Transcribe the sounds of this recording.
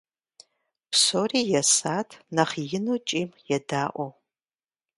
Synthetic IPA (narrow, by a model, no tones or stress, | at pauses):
psoːriːjɛsaːtʰnɐχjɪnuːt͡ʃʼiːmjɛdaːʔʷɔ